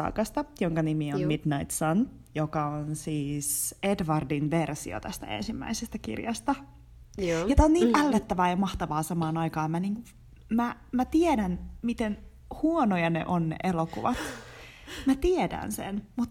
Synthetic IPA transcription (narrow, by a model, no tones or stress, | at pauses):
ɑ̰ːkɑst̪ɑjoŋkɑnimiommidnɑit̪son | jokɑonsiːsedʋɑrdinʋersḭo̰t̪æst̪æ̰ḛnsimːæ̰isest̪ækḭrjɑ̰st̪ɑ | jet̪æonniːʔælːet̪ːæʋæːjɑmɑht̪ɑʋɑːsɑmɑːnɑjkɑːmmæniːŋku | mæ | mæt̪iedænmit̪en | huonojɑnḛʔonːḛʔelokṵʋɑt̪ | mæt̪iedæ̰nsḛnmut̪